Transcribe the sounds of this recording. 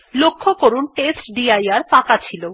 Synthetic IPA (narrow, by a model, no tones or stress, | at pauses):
lokʰːokoɾunʈesʈɖiajaɾpãkat͡ɕʰilo